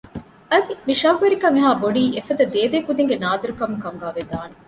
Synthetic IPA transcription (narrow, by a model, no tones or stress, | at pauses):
ɐd̪imiʃaːkuʋeɾikɐŋeɦaːboɖiːefɐd̪ɐd̪eːdeːkud̪iŋɡenaːd̪ɐɾukɐmukɐŋɡaːʋed̪aːne